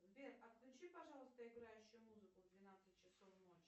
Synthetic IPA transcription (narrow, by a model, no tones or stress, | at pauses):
zbʲerɐt̪lʲʊt͡ɕipɐʐɑlˠəst̪əɪɡɾajʉɕːʊjʊmuzɨkʊvd̪vʲɪnat̪sɨt̚ʲt͡ɕɪsofmot͡ɕːɪ